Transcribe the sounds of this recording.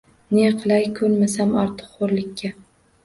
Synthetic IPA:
neqʰɨlˠajkʰɵɾmasamɒɾt̪ʰɨ̥qχoɾlɪkʲʰːa

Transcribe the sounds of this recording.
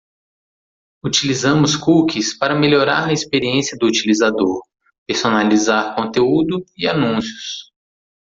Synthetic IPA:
ut͡ʃilizɐ̃mʊskukʰispaɾɐmeloɾa̰ɾɐispeɾiẽsiɐd̪ʊːt͡ʃilizad̪oɾ | peɾsonalizaɾkõt̪eud̪ʊianũsjʊs

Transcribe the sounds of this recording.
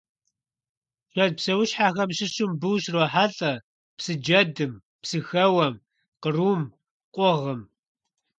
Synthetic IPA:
ɕʷɐd̚psɐwʊɕħaːxɐmɕɪɕɪmbɨːɕroːħaɬʼɐ | psɨd͡ʒɐdɨm | psɨxɐwɐm | qəruːm | qʷʼʊʁəm

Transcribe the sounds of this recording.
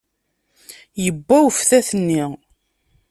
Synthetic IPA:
jəbːæwfθæθənːi

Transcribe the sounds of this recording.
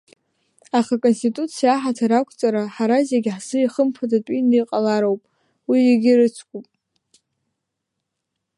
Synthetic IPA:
aχakʼo̞nstʼitʼut͡sʰijaːħatʰaɾakʷʰt͡sʼaɾaħaɾazjeɡʲħzɨiχəmpʰadatʼinɨjqʼalaɾowpʼ | wieɡʲɪrɨt͡sʷʰkʷʼupʼ

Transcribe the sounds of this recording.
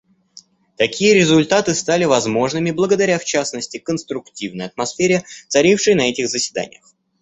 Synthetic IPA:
t̪ɐkʲijəɾʲɪzʊlʲt̪at̪ɨst̪alʲɪvɐzmo̞ʐnɨmʲɪblˠəɡəd̪ɐɾʲaft͡ɕasnəsʲtʲɪkənst̪ɾʊktʲivnəjɐt̪̚mɐsfʲeɾʲɪt̪sɐɾʲifʂəjnɐɛtʲɪɣzəsʲvʲɪd̪a̰nʲɪ̰jəx

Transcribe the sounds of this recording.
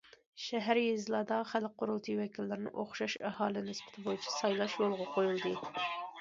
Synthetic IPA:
ʃɛɦæɾjezlˠɑːd̪ɑχælqʰʊɾulˠt̪ʰiwɛkʲʰilːɪɾɪnɪ̰ʔoχʃɑʃɛhɑːlˠɪnɪspɪ̥t̪ʰɪbojit͡ʃʰɛ̥sɑjlˠɑʃjolˠʁɑqʰojulˠd̪ɨ

